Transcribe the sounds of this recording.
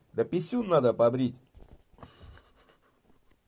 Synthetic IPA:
d̪əpisunːad̪əpabɾit̪ʲ

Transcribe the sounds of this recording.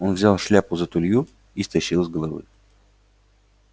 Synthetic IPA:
o̞nvzʲalˠʂlʲapʊzət̪ʊlʲju | ist̪ɐɕːilˠəzʲɡəlˠɐvɨ̰

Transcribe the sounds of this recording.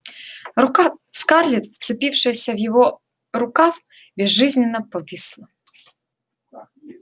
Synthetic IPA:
skɑrlʲit̪ft̪sɪpʲiwʂɪsʲɐwjɔɦɔ | ɾʊkaw | bʲiʒːɪzʲnʲɪnɐpɔʋʲislˠɐ

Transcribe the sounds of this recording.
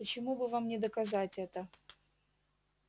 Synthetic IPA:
ət͡ɕɪmubɨvamnʲɪd̪əkɐzatʲɛt̪ə

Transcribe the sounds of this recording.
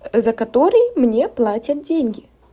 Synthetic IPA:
zɐkɐt̪oɾɨjmnʲeplˠatʲɐt̪̚dʲenʲɡʲɪ

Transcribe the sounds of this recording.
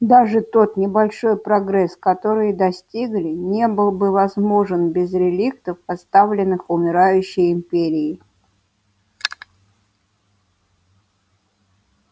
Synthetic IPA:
d̪aʐɨt̪o̞t̪nʲɪbɐlʲʂo̞jpɾɐɡɾɛskɐt̪o̞ɾɨjd̪ɐsʲtʲiɡlʲɪnʲebɨlˠbɨvɐzmo̞ʐɨnbʲɪzɾʲɪlʲik̚t̪əfɐst̪avlʲɪnːɨxʊmʲɪɾajʉɕːɪjɪmpʲeɾʲɪɪ

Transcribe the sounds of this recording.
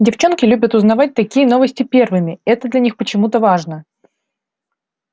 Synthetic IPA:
dʲɪft͡ɕo̞nkʲɪlʲʉbʲət̪ʊznɐvat̚ʲt̪ɐkʲijəno̞vəsʲtʲɪpʲe̞rvɨmʲɪɛt̪əd̪lʲɐnʲixpət͡ɕɪmut̪əvaʐnə

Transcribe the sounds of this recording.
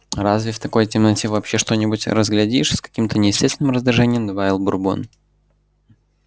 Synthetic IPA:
ɾazvʲɪft̪ɐko̞jtʲɪmnɐtʲevɐːpɕeʂt̪o̞nʲɪbʊtʲɾəzɡlʲɐdʲiʂskɐ̥kʲimt̪ənʲɪjɪsʲtʲest̪vʲɪnɨmɾəzd̪ɾʲɪʐɛnʲɪjəmd̪əvaɪlˠbʊrbo̰n

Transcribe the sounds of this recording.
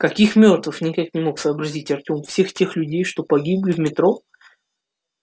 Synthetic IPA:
kɐkʲixmʲo̞rt̪vɨfnʲɪkaknʲɪmo̞ksəːbɾɐzʲitʲɐrtʲo̞mfsʲe̞xtʲe̞xlʲʉdʲejʂt̪o̞pɐɡʲiblʲɪvmʲɪt̪ɾo̞

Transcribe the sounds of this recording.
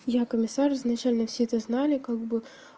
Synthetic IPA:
jakəmʲɪsarznɐt͡ɕælʲnəfsʲeɛt̪əznalʲɪkaɡ̚bɨ

